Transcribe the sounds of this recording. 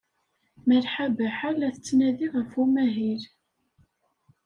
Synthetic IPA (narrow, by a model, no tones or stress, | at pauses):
məlħabəħalæθət͡sːnæðiʁəfumæɦil